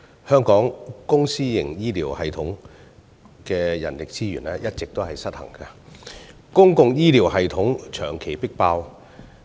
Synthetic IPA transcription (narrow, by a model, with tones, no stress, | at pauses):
hœː˥ŋkɔː˨˥ŋkʊ˥ŋsiː˥jɪ˨˩ŋjiː˥liː˨˩whɐ˨jt̪ʰʊ˨˥ŋ | kɛː˧jɐ̰˨˩nlɪ˨k̚t͡siː˥ɥyː˨˩nɛː˥jɐ˥t̚t͡sɪ˨k̚t̪o˥whɐ˨jsɐ˥t̚hɐ̰˨˩ŋkɐ˧ | kʊ˥ŋkʊ˧ŋjiː˥liː˨˩wɦɐ˨jt̪ʰʊ˨˥ŋt͡ʃʰœː˨˩ŋkʰe˨˩jpɪ˥k̚paː˧w